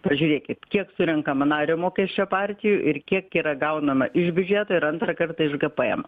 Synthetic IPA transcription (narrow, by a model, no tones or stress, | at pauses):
pɐʒʲuːɾʲeːkʲɪt̪kʲiɛksʊɾʲɛŋkɐmɐnɑːɾʲoːmoːkʲɛʃʲt͡ʃʲopɑːrʲt̪ʲɪjʊʔɪrkʲiɛkiːɾɐɡɐʊnɐmɐʔɪʒʲbʲʉd͡ʒʲɛt̪oːɪɾɐnt̪rɐkɐrt̪ɐɪʒɡɐpɐɛ̰m